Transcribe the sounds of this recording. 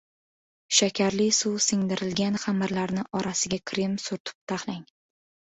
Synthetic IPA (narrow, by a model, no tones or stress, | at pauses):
ʃakʲʰaɾlɪsuwsɪŋd̪ɪɾɪlɡʲanχamɪɾlaɾnɪʔɒɾasɪɡʲakʲʰɾɪmsʊɾt̪ʰʊ̥p̚t̪ʰaχlaŋ